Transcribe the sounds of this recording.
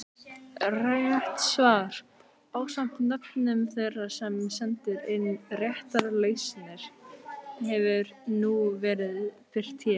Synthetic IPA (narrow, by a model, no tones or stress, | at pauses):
raːjaht̪svaːɾ̥ | paːwsam̥t̪nœpnʏmθejrːasɛmsɛnt̪ʏɾɪnːrjɛht̪aɾleːjsnɪɾ̥ | hɛvʏɾnuvɛːɾɪðfɪr̥t̪ʰjɛː